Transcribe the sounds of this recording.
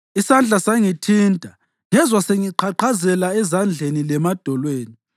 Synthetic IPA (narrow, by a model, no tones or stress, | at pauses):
isand͡ɮʱasaŋitʰintʼa | ŋɛzwaseŋiǃʰaǃʰazɛlaɛzand͡ɮʱenilɛmad̥ʱɔlweːni